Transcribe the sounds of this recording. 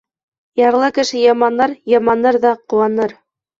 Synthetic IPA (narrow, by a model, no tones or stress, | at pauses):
jɑɾlˠɤkɘ̆ʃɘjɑmɑnɑɾjɑmɑnɤɾðɑqŏwɑnɤɾ